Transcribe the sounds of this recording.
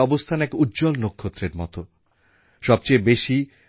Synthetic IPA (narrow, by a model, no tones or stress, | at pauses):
ɔbost̪ʰanɛkut̪ːd͡ʑolnokʰːot̪ːɾeɾmɔ̰t̪o | ʃɔb̚t͡ɕejbeʃi